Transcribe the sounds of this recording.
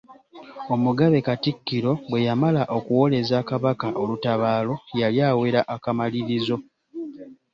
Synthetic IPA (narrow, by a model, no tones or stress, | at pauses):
o̞muɡaβe̞katikːiɾo̞bwe̞jamalaʔo̞kuwo̞le̞zakaβakaʔolutaβaːlo̞jaljaːwe̞ɾaʔakamaliɾizo̞